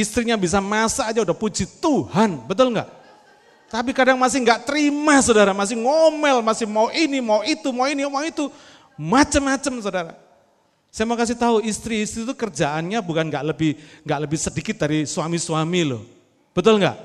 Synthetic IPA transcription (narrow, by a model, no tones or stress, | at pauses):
ist̪ɾiɲabis̬amasaːd͡ʒaudahpud͡ʒit̪uhanbət̪̬ʊlŋɡa̰ʔ | t̪ap̬ikadaŋmas̬ɪhŋɡaʔt̪əɾimas̬odaɾamas̬ɪhŋomɛlmasɪhmauʔinimauit̪umauiniomait̪u | mat͡ʃəmːat͡ʃəmsodaɾa̰ | sajamakas̬ɪt̪aɦuist̪ɾiːst̪ɾit̪ukərd͡ʒaʔanɲabukanŋɡaʔləbɪhŋɡaʔləbɪhsədikɪt̪̚daɾisuamiswamilʊ̰h | b̥ət̪ʊlŋɡa̰ʔ